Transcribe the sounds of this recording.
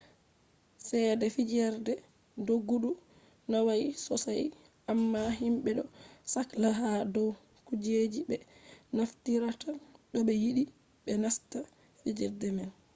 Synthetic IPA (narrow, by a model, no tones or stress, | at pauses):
sɛdɛfid͡ʒɛɾdɛ | doɡːuɗu | nawajisɔsaj | ʔamːaɦimɓɛɗɔ̰saklaɦadɔw | kud͡ʒed͡ʒibɛnaftiɾataɗɔɓɛjiɗi | ɓɛnasta | fid͡ʒɛɾdɛmɛn